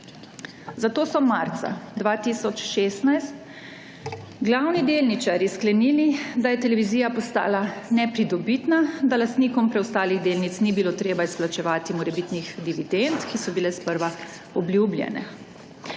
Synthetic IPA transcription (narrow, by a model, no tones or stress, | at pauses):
zat̪oːsɔmaɾt̪sa̰d̪ʋaːt̪isɔt͡ʃʃest̪najst̪ | ɡlawnid̪eːlnit͡ʃaɾisklɛnilid̪ajɛt̪ɛlɛʋiziːjapɔst̪a̰ːlanɛpɾid̪ɔbit̪nad̪alast̪nikɔmpɾɛwst̪aːliɣd̪eːlnit̪snibiloːt̪ɾeːbaisplat͡ʃɛʋaːt̪imɔɾɛbit̪nixd̪iʋid̪ent̪kisɔbilɛspəɾʋa | ɔblʲjublʲjɛ̰nɛ̰